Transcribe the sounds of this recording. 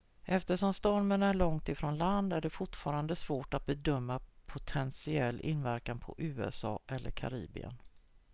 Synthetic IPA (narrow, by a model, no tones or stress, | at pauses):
ʔɛft̪əʂɔmst̪ɔɾmənæɭɔŋt̪ɪfɾoːnland̪æɖɛfʊʈfɑːɾand̪əsvoːʈat̪̚bɛd̪œmːapʰʊt̪ʰɛnsɪɛlːʔɪ̰nːvæɾkanpʰɔ̰ʔʉ̟ːɛ̰sɑ̰ːʔɛlːəɾkʰa̰ɾḭːbɪ̰ə̰n